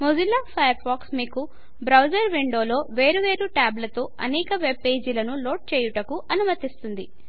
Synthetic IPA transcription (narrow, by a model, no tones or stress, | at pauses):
mod͡ʒilːaːpʰɐjɐɾpʰaːksmiːku | bɾɐwd͡ʒɐɾʋiɳɖo̞ːlo̞ːʋe̞ːɾuʋe̞ːɾuʈaːblɐt̪oːɐnɛːkɐʋe̞b̚ːeːd͡ʒilɐnulo̞ːʈ̚t͡ʃeːjuʈɐkuʔɐnumɐt̪ist̪und̪i